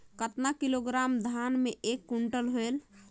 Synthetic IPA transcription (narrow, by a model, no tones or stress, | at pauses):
kət̪nakiloɡɾamd̪ʱanmeʔekːuɳʈəlɦoel